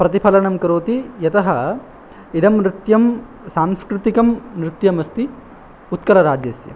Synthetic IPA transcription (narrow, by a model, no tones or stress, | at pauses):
pɾɐt̪ipʰɐlɐɳɐmkɐɾoːt̪ijɐt̪ɐɦɐ | id̪ɐmɾɪt̪jɐm | saːmskɾɨt̪ikɐmnɾɪt̪jɐmɐst̪i | ut̪̚kɐlɐɾaːd͡ʒjɐsjɐ̰